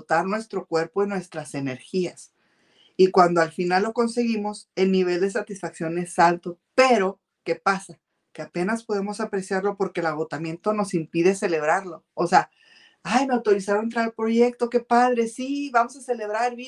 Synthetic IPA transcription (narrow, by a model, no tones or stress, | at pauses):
ot̪aɾnwe̞st̪ɾo̞kwe̞ɾpo̞inwe̞st̪ɾase̞ne̞ɾxias | ikwand̪oalfinalːo̞ko̞nse̞ɣimo̞se̞lniβ̞e̞ld̪e̞s̬at̪isfaksjo̞ne̞salt̪o̞pe̞ɾo̞ | ke̞pasa | keape̞naspo̞ðe̞mo̞sapɾe̞sjaɾlo̞po̞ɾke̞ːlaɣ̞o̞t̪amje̞nt̪o̞no̞simpiðe̞se̞le̞β̞ɾaɾlo̞ːsea | ajnawt̪oɾisaɾoent̪ɾaɾalpɾo̞ʝe̞k̚t̪o̞ke̞pað̞ɾe̞siβamo̞sase̞le̞β̞ɾaɾβ